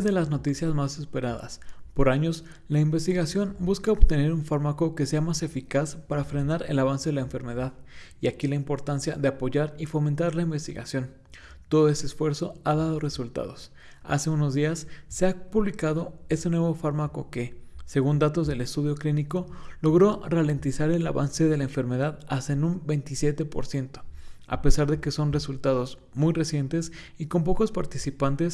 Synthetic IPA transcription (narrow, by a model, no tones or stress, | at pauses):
zðe̞lazno̞t̪isjazmase̞spe̞ɾaða̰spo̞ɾaɲo̞s | laimbe̞st̪iɣasjo̞nbuskaoβt̪e̞ne̞ɾuɱfaɾmako̞ke̞se̞amase̞fikaspaɾafɾe̞naɾe̞̰laβ̞anse̞ðe̞laeɱfe̞ɾme̞ð̞aðiakilaimpo̞ɾt̪ansjaðe̞apo̞ʝaɾifo̞ment̪aɾlaimbe̞st̪ḭɣa̰sjo̞n | t̪o̞ð̞oe̞st̪eːsfwe̞ɾso̞aðað̞o̞re̞sult̪a̰ð̞o̞s | a̰se̞uno̞zðiasːe̞apuβlikað̞o̞e̞se̞nwe̞β̞o̞faɾmako̞ke̞se̞ɣund̪at̪o̞zðe̞le̞st̪uð̞jo̞kliniko̞lo̞ɣ̞ɾo̞rale̞nt̪isaɾe̞la̰βa̰nse̞ðe̞laeɱfe̞ɾme̞ð̞aðast̪aenũmbe̞jnt̪isje̞t̪e̞po̞̰ɾsje̞nt̪o̞̥a̰pe̞saɾðe̞ke̞so̞nre̞sult̪aðo̞z | mujre̞sje̞nt̪e̞s | iko̞mp̬o̞ko̞spaɾt̪isipant̪e̞s